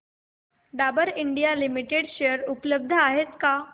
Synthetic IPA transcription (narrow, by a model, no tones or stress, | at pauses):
ɖabəɾiɳɖijalimiʈeɽɕeəɾupləb̚d̪ʱəaɦet͡ska